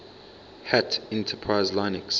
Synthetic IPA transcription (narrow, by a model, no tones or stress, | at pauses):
hætɛ̃ntʰəpʰɹaɪzlãɪnɪks